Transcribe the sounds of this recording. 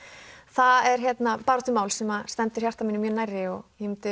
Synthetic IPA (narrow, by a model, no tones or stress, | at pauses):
θaðɛɾ̥çjɛt̪napaːɾat̪ːʏmaːwlsɛmast̪ɛnt̪ʏɾ̥çjar̥t̪aminɪmjʏnajrːɪɔɣmt̪ʏ